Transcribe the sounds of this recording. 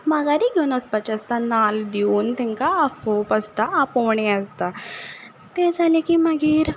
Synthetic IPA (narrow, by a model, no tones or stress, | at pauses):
maɡaɾiːɡʱewunəspat͡ɕast̪anald̪iuːnt̪ɛ̃ŋkaːfopəst̪aapoʋɳeəst̪a | t̪ed͡zʱalekiːməɡiːɾ